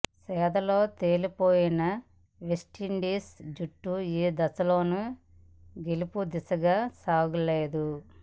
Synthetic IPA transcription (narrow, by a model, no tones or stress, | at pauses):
sɛːd̪ɐlo̞ːt̪e̞ːlipoːjinɐ | ʋesʈiɳɖiːsd͡ʒuʈːuiːd̪ɐsɐloːnu | ɡelupud̪isɐɡaːsaːɡuleːd̪u